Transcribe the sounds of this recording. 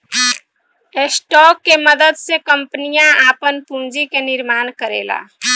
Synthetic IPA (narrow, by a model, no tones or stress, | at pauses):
esʈɔːkːeməd̪əd̪sekəmpənijãaːpənpũnd͡ʒikenɪɾmaːnkəɾḛːla̰ː